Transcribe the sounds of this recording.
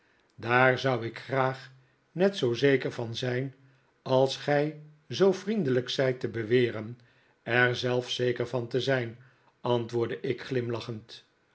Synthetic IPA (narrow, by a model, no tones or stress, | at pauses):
daːɹzʌwɪkχraːχ | nɛtsowzejkəɹvɑnzɛjn | ɑlˠsχɛj | zowfrindələksɛjtəbəʋɪːrən | ɛɹzɛlˠfsejkəɹvɑntəzɛjn | ɑntʋʊːɹdəʔɪkχlɪmlɑχənt